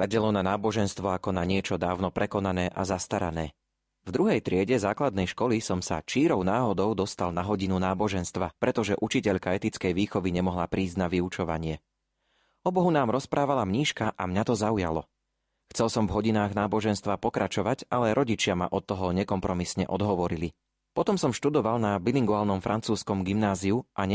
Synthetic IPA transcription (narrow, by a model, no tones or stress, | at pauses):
laɟɛlɔnanaːbɔʒɛnst̪ʋɔakɔnaɲɪɛt͡ʃɔd̪aːʊnɔpɾɛkɔnanɛːʔa̰zast̪aɾa̰nɛː | vd̪ɾuɦɛjt̪ɾɪɛɟɛzaːklad̪nɛjʃkɔlisɔmsa̰t͡ʃiːɾɔʊnaːɦɔd̪ɔʊd̪ɔst̪alˠnaɦɔɟinunaːbɔʒɛnst̪ʋapɾɛt̪ɔʒɛʔut͡ʃicɛʎkaɛt̪it͡skɛjʋiːxɔʋiɲɛmɔɦlapɾiːzɟnaʋiut͡ʃɔʋa̰ɲɪɛ | ɔbɔɦunaːmɾɔspɾʔaːʋalamɲiːʃkaʔamɲat̪ɔzauja̰lɔ | xt͡sɛlˠsɔmvɦɔɟinaːɣnaːbɔʒɛnst̪ʋapɔkɾat͡ʃɔʋaɟalɛɾʔɔɟit͡ʃɪama̰ʔɔt̪ːɔɦɔɲɛkɔmpɾɔmisɲɛ̰ʔɔd̪ɦɔʋɔɾili | pɔt̪ɔmsɔmʃt̪ud̪ɔʋalˠnabiliŋɡuaːlˠnɔmfɾʔant͡suːskɔmɡimnaːziuʔaɲ